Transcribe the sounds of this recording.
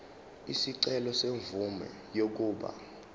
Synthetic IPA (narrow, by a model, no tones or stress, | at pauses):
isiǀɛlɔseɱvumɛ̰ | jok̬uːɓa̰